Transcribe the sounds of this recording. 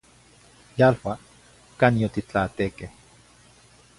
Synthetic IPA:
jalwa | kanjot̪it͡ɬat̪ekeh

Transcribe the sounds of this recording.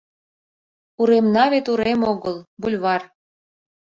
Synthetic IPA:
uɾemnɑβet̪uɾemoɣɤlˠbulʲβɑr

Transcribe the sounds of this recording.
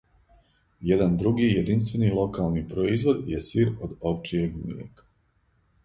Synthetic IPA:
jed̪and̪ɾuɡijed̪inst̪ʋe̞nilˠo̞kalˠnipɾoizʋo̞d̪jesiːɾod̪opt͡ʃije̞ɡmḭjḛkḁ

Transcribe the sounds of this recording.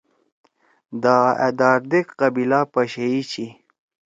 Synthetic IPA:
d̪aḛd̪aːɾd̪ekqɐbilapaɕeit͡ɕi

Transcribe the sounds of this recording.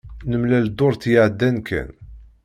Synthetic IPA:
nəmlæld̪ʊɾˤθjəʕəd̪ːænkʰæ̰n

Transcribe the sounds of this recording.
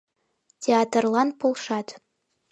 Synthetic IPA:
tʲʰeat̪rlˠɑnpʰolˠʂɑt̪ʰ

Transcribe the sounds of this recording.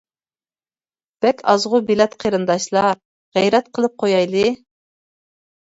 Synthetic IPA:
b̥ɛkʲʰɑzʁʊbilɛt̪qʰeɾɨnd̪ɑʃlˠɑ | ʁɛjɾɛt̪̚qʰəlˠɨp̚qʰojɑjlˠɨ

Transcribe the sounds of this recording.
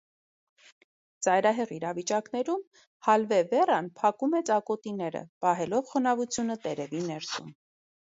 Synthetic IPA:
t͡sɑjɾɑɦɛʁiɾɑvit͡ʃɑknɛɾum | hɑlvɛvɛrɑnpʰɑkumɛt͡sɑkɔt̪inɛɾə̰pɑɦɛlɔvχɔnɑvut͡sʰjunət̪ɛɾɛvinɛɾsṵm

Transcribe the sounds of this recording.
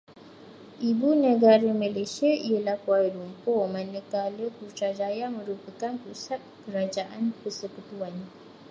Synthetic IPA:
ʔibunə̃ɡaɾəmãlesiaijəlahkwaədumpɔmãnə̃kaləkurt͡ʃad͡ʒajamə̃ɾupəkanpusat̪̚kəɾad͡ʒaʔanpərsəkut̪uan

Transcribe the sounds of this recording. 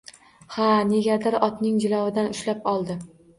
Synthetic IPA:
haneɡʲad̪ɪɾɒt̪nɪŋd͡ʒɪlˠɒwɪd̪anʊʃlapɒlˠd̪ɪ

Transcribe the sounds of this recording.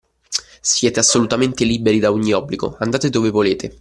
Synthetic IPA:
sjɛːt̪easːolut̪ament̪eliːbeɾid̪aoɲːiɔbːliɡo̰and̪aːt̪ed̪oːvevoleːt̪e

